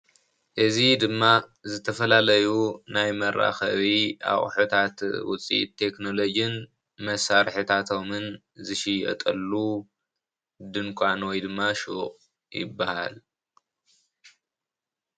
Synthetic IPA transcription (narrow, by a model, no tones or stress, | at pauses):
ʔɨzid̪ɨmːazɨt̪ʰɐfɐlalɐjunajmɐɾʔa̰xɐβiʔa̰χʼħut̪ʰat̪wʊ̰t͡sʼḭʔt̪ʰːe̞kno̞lo̞d͡ʒɨn | mɐsaɾħɨt̪ʰat̪ʰo̞mɨn | zɨʃijɐ̰t̪ʼɐlːu | d̪ɨnkʷʼanwɔjd̪ɨmːaʃuχʼ | jɪ̰bːaha̰l